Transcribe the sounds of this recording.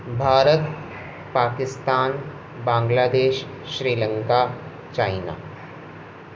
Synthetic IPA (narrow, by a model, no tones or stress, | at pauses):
bʱaːɾət̪ | paːkɪst̪aːn | bãːŋɡlaːd̪eːʃː | ɾiːlə̃ŋka | t͡ʃaːɪna̰ː